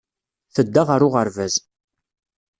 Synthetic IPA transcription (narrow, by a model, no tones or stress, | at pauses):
θəd̪ːaʁəɾʊʁəɾvæz